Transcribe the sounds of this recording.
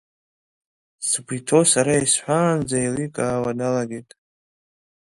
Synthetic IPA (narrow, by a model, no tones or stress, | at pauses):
sbʷʰitʰo̞saɾaisħʷaːnd͡zajlikʼaːwanalaɡejtʼ